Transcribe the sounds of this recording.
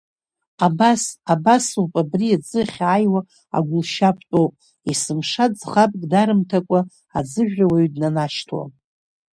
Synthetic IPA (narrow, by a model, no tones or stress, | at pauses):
abasabasupʼabriad͡zʼɨχʲajwa | a̰ɡʷʊlʃapʰtʼowpʼ | isɨmʂad͡zχapʼkʼdaɾɨmtʰakʷʼa | ad͡zɨʒᶣawaɥdnanaʃtʰwa̰